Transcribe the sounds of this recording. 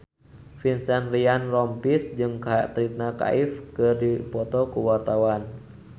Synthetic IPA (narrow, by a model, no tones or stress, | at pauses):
finsanrianrɔmpisd͡ʒɨŋkat̪ɾit̪̚naka̰ʔifkɨrdipɔt̪ɔkuwart̪awan